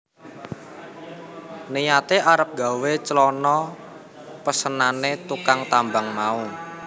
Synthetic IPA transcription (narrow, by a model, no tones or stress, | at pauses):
nijat̪eʔaɾəp̚ɡ̥a̤wet͡ʃəlɔnɔ | pəsənanet̪ukaŋt̪ambaŋmau